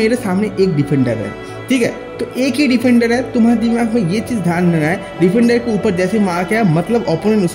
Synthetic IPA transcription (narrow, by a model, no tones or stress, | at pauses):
eːɾesaːmneʔeːk̚ɖɪfʰɛ̃ɳɖəɾɦɛ̰ː | ʈʰiːkɦɛː | t̪oʔeːkɦiɖɪpʰɛ̃ɳɖəɾɦɛt̪ʊmad̪imaːɡmẽjet͡ʃiːzd̪ʱjaːnmenaɦɛ | ɖɪfʰẽɳɖəɾkeuːpəɾd͡ʒɛːsemãːkeamɐt̪ləbɔːpoːnenʊs